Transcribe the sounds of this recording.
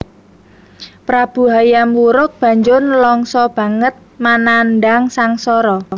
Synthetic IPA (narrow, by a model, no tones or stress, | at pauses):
pɾab̥ṳɦajamuɾʊk̚b̥a̤ɲd͡ʒʊnlɔŋsɔb̥a̤ŋət̪̚mananɖaŋsaŋsɔɾɔ